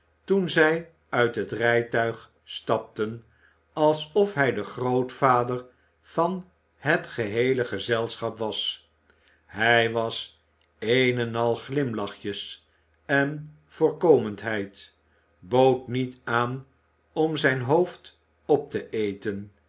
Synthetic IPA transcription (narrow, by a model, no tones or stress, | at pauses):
tunzɛj | œɥtɦətrɛjtœɥχ | stɑp̚tən | ɑlˠsɔfɦɛjdəχrowtfaːdəɹ | v̥ɑn | ɦətχəɦejləχəzɛlˠsχɑpʋɑs | ɦɛjʋɑs | enənɑlˠχlɪmlɑχjəs | ɛn | v̥ʊːɹkowməntɦɛjt | bowtnitaːn | ɔmzɛjnɦowft | ɔp̚təʔejtən